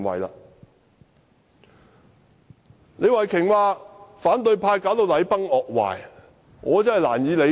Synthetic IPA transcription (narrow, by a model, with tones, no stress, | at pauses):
ŋwɐ̰˨˩jla̰ː˧ | ne˨˧jwɐ˨˩jkʰɪ˨˩ŋwaː˨˧faː˨˥nt̪ɵ˧ɥpʰaː˧jkaː˨˥wt̪o˧wlɐ˨˧˥jpɐ˥ŋɔː˨k̚wa̰ː˨˩j | ŋɔː˨˧t͡sɐ˥hɐ˨jla̰ː˨˩njiː˨˧le˨˧